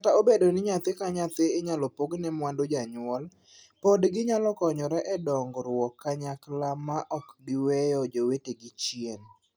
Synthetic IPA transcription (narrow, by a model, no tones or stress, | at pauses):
kataobedonɪɲat̪ɪkaɲat̪ɪːɲalɔpoɡnɛmwandod͡ʒaɲʊwɔl | podɡɪɲalɔkɔɲɔɾɛʔɛdɔŋɡɾwɔkːaɲaklamaʔɔkbiwɛjɔd͡ʒoweteɡɪt͡ʃien